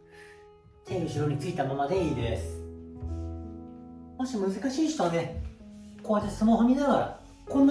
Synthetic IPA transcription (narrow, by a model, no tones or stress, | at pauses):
t̪ʰeːɾɯ̟ɕiɾo̞ɲ̟it͡sɨit̪amamad̪e̞iːd̪esɨ̥ | moɕimɯ̟zɨkaɕiːɕt̪oane | koβad̪esɨmaɦomʲinaɡaɾa̰ | kõnː